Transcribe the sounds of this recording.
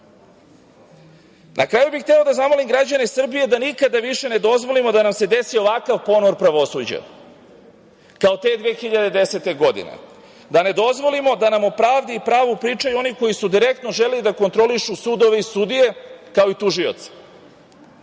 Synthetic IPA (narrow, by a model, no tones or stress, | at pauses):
nʔakɾaːjubixt̪elod̪azamo̞limɡɾad͡ʑanesr̩bije̞d̪anikad̪aʋiʃe̞ne̞d̪o̞zʋo̞limo̞d̪anamse̞d̪e̞sio̞ʋakaʋpo̞noɾpɾaʋo̞suːd͡ʑa̰ | kao̞t̪e̞ːd̪ʋexiʎad̪e̞d̪e̞se̞t̪e̞ɡo̞d̪ḭnḛ | d̪ane̞d̪o̞zʋo̞limo̞d̪anamopɾaːʋd̪iːpɾaːʋupɾiːt͡ʃajuo̞niko̞jisud̪iɾe̞kt̪no̞ʒelelid̪ako̞nt̪ɾo̞liʃusud̪o̞ʋe̞isud̪ije̞kao̞it̪uʒio̰t̪sḁ